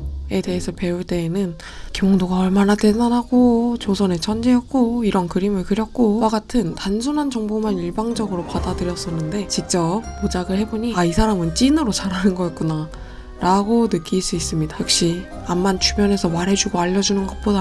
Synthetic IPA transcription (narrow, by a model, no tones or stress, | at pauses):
e̞de̞ɦesʰʌpe̞uɭt͈e̞ːnɯn | kioŋdoɡaʌɭmanate̞danɦaɡot͡ɕosʰʌne̞t͡ɕʰʌnd͡ʑiɦʌk̚k͈oiɾʌnkɯɾimɯɭkɯɾjʌk̚k͈owaɡatʰɯntansʰunɦant͡ɕʌŋbomaniɭbaŋd͡ʑʌɡɯɾopadadɯɾjʌs͈ʌnːɯnde̞t͡ɕikt͡ɕ͈ʌppod͡ʑaɡɯɭhe̞boɲiaisʰaɾamɯnt͡ɕ͈inɯɾot͡ɕaɾɦanɯnɡʌik͈una | ɾaɡonɯk͈iɭs͈uis͈ɯmɲidaɸok̚ɕ͈i | amːant͡ɕʰubjʌne̞sʰʌmaɾɦe̞d͡ʑuɡoaʎːʌd͡ʑunɯnɡʌt̚p͈oda